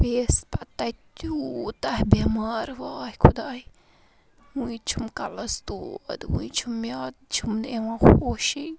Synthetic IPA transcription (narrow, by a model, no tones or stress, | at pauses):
peːspɐt̪ːɐt̪ut̪ɐɦbemaːɾʋaːhikʰud̪aːi | ũit͡ʃʰumkɐlɐst̪uɐ̰d̪ṵ̃it͡ʃʰumːjaːd̪t͡ʃʰumeʋãxoːʃi